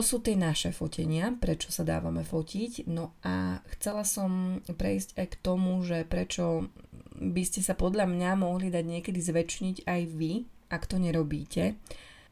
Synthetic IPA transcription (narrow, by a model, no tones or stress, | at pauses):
ɔsuːt̪ɪɛnaʃɛfɔcʰɛɲɪapɾɛt͡ʃɔ̥sad̪a̰ːʋa̰mɛfɔcʰicnɔʔaxt͡sɛlasɔmpɾɛ̰jscajkt̪ɔmuʒɛpɾɛt͡ʃɔ | biscɛsapɔd̪ʎamɲamɔɦlid̪aɟɲɪɛkɛd̪izʋɛt͡ʃɲiɟajʋiʔakt̪ɔɲɛɾɔbiːcɛ